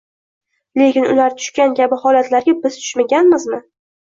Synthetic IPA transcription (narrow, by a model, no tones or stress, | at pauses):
le̞kʲɪnʊ̰laɾt̪ʰʊ̥ʃkʲankʲʰabɪhɒlat̪laɾɡʲabɪz̥t̪ʰʊ̥ʃmaɡʲanmɪzmɪ